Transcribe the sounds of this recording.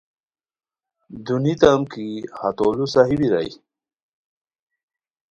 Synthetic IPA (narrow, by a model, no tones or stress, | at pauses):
d̪unit̪amkihat̪olusaɦibiɾa̰j